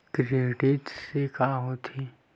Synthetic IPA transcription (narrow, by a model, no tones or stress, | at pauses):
kɾeːɖɪʈsekaɦot̪ʰi